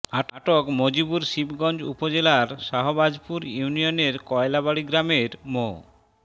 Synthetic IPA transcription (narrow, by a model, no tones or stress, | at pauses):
aʈaʈokmod͡ʑibuɾʃibɡɔnd͡ʑṵpod͡ʑelaɾʃaɦobad͡ʑpuɾjunioneɾkɔelabaɽiɡɾameɾmo̰